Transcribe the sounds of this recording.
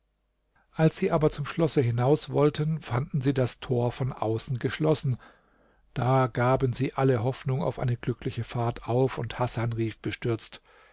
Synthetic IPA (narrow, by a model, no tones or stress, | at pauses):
ʔalsz̥iːʔaːbɐt͡sʊmʃlɔsəɦɪnaʊsv̥ɔltʰənfandn̩ziːdastʰoːɐfɔnʔa̰ʊsn̩ɡəʃlɔsn̩ | d̥aːɡaːbənziːʔaləɦɔfnʊŋa̰ʊfʔa̰ɪnəɡlʏklɪçəfaɐtʰaʊfʊnthasanʁiːfb̥əʃtʏɐt͡st